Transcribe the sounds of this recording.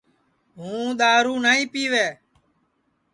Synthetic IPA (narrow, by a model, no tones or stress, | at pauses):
ɦũːɗ̪aːɾuːnaːĩːpiːʋeː